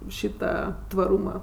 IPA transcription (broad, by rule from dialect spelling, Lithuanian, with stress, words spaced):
ˈʃʲiːtɐ tʋɐˈruːmɐ